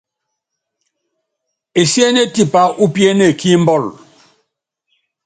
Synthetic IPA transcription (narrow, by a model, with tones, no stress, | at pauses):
e˨sje˦ne˦ti˦˨pa˦ʔu˦pje˦ne˨kʰi˦m̩˦bɔ˦˨l